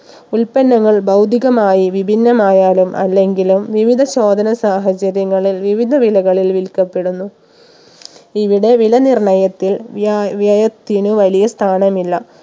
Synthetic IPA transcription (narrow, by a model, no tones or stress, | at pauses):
ulpɐnːɐŋːɐɭbɐwd̪ʱiɣɐmaːjiʋibʱinːɐmaːjaːlumʔɐ̰lːe̞ŋɡilumʋiʋid̪ʱɐɕo̞ːd̪ʱɐnɐsaːɦɐt͡ɕɐɾjɐŋːɐɭilʋiʋid̪ʱɐʋilɐɣɐɭilʋilkɐpːe̞ɽunːu | iʋiɽe̞ʋilɐnirɳɐjɐt̪ːilʋjɐjɐt̪ːinuʋɐlijɐst̪ʰaːɳɐmilːɐ